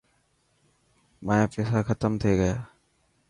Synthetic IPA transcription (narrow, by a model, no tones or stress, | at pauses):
maːjapeːsaxət̪əmt̪ʰeɡəjaː